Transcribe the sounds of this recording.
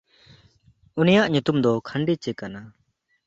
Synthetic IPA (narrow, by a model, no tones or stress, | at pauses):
unijaʔɲut̪umd̪ɔkʰaɳɖit͡ʃɛkana